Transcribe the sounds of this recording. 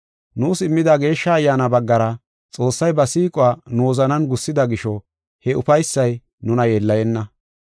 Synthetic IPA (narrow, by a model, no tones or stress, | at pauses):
nuːsɪmːɪd̪aɡe̞ːʃːɐːjːaːnɐbɐɡːɐɾɐ | t͡sʼo̞ːsːɐjbɐsiːkʼʊwaːnoːzɐnɐnɡʊsːɪd̪ɐɡɪʃɔ | hɛʊfɐjsːɐj | nʊnɐjeːlːɐjɛnːɐ